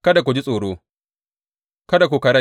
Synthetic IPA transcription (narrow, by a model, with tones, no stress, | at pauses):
kɐ˦da˨kʷu˨d͡ʒi˦sʼoː˨ɽoː˦ | kɐ˦da˨k̬ʷoː˨kɐ˨ɽɐ˦